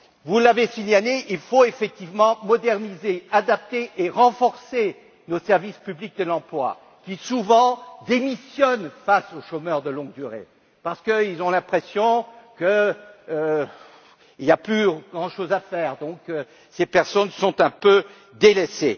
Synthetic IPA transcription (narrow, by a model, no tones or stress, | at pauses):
vulavesiɲaleʔilfoefɛk̚t̪ivmɑ̃mɔd̪ɛʁnizead̪ap̚t̪eʔeʁɑ̃fɔʁse | nosɛʁvispyblik̚d̪əlɑ̃plwa̰ | kʲisuvɑ̃d̪emisjɔnfasoʃomœʁd̪əlɔ̃ɡ̚d̪yʁḛ | paʁsə̥kəilzɔ̃lɛ̃pχesjɔ̃kə | iljaplyɡʁɑ̃ʃozafɛːʁd̪ɔ̃kø | sepɛʁsɔnsɔ̃t̪ɛ̃pø | d̪elese